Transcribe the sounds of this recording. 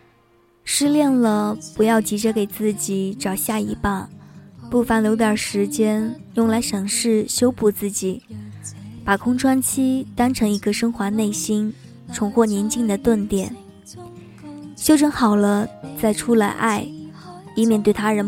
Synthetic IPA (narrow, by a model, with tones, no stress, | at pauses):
ʂɻ̩˥˧ljɛ˥˩nlə˩pu˧˥jɑ˥˩ʊt͡ɕi˧˥ʈ͡ʂɤ˧˥ke˨˩ɪt͡sɹ̩˥˩t͡ɕi˨˩˦ʈ͡ʂɑ˨˩ʊɕja˥˩i˧˥pa˥˩npu˥˩fa˧˥n˨jo˧˥t̪jɑ˞˨˩ʂɻ̩˧˥t͡ɕjɛ˥n | jʊ˥˩ŋla˧˥ɪʂɤ˧˥˩ŋʂɻ̩˥˩ɕjo˥ʊpu˥˩t͡sɹ̩˥˩t͡ɕi˨˩˦ | pa˨˩kʰʊ˥ŋʈ͡ʂʰwa˥nt͡ɕʰi˥t̪a˥nʈ͡ʂʰɤ˧˥ŋi˧˥ɡə˧ʂɤ˥ŋxwa˧˥ne˥˩ɪɕi˥n | ʈ͡ʂʰʊ˧˥ŋxwɔ˥˩njɛ˧˥nt͡ɕi˥˩ŋd̪ə˩t̪wə˥˩nt̪jɛ˨˩˦n | ɕjo˥ʊʈ͡ʂʰə˧˥nxɑ˨˩ʊlə˦t͡sa˥˩ɪʈ͡ʂʰu˥la˧˥ɪʔa˥˩ɪi˥mjɛ˥˩nt̪we˥˩ɪt̪ʰa˥ɻə˧˥n